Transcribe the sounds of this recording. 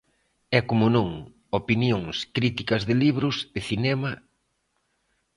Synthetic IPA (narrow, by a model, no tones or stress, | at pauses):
ɛkomʊnõŋ | opinjoŋskɾit̪ikɐzðɪliβɾʊsɪθinɛmɐ